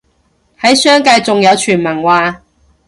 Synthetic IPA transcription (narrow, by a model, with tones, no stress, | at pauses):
hɐ˨˥jsœː˥ŋkaː˧jt͡sʊ˨ŋjɐ˨˧wt͡ʃʰyː˨˩nmɐ˨˩ŋwaː˧